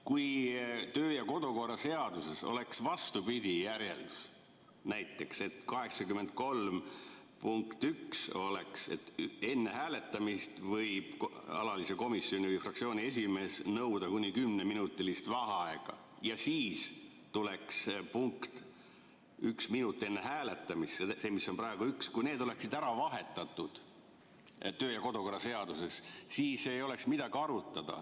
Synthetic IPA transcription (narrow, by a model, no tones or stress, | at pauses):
kujt̪øːjɑko̞d̪̥oko̞rːɑse̞ɑd̪̥use̞so̞̰le̞ksvɑst̪upid̪̥ʲijæɾje̞̰ld̪̥us | næjt̪ˑːe̞kse̞t̪kɑɦe̞ksɑkymːe̞nd̪̥̚ko̞lm | puŋkt̪ykso̞le̞kse̞̰t̪ːe̞nːe̞hæːle̞t̪ːˑɑmist̪vɤjb̥ɑ̰lɑliseko̞misːjo̞nʲivəjfrɑkt̪sioːnʲie̞s̬ʲime̞ːsnɤwd̪ɑkunʲːikymneminut̪ːˑilist̪vɑɦɑɑeɡ̥ɑ̰ | jɑsiːs | t̪ule̞kspuŋkt̪ | yksminut̪ːˑe̞nːe̞ɦæːle̞t̪ːˑɑmist̪seseːmisːo̞npɾɑe̞ɡ̥uykskujne̞ːd̪o̞le̞ksid̪æɾɑvɑɦe̞t̪ːˑɑt̪ːˑud̪̥ | t̪ø̞ːjɑko̞d̪oko̞rːɑse̞ɑd̪̥use̞ssiːsːeːjo̞le̞ksmid̪̥ɑɡiɑɾut̪ˑːɑd̪̥ɑ̰